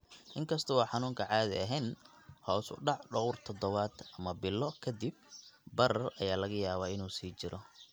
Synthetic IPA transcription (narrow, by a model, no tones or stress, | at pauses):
ʔɪŋkʰɐst̪ʰɔwɑħɑnuːŋkʰɐʕaːðɪ̰ɐɦɛn | hɔːsʊ̰ɖɑʕɖɔɣʊrt̪ʰɔd̪ɔβaːd̪ʔɐmɐbɪlːɔkʰɐd̪ɪb̚bɐɾɐrɐjaːlɐɣɐjaːβaːɪnuːsiːt͡ʃɪɾʔɔ